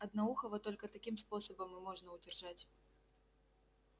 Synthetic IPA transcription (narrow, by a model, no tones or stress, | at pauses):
ɐd̪nauxɐvɐt̪ɔlʲkɐt̪akʲimspɔsɐbɐmɨmɔʐnɐwd͡zʲɛrʐat͡sʲ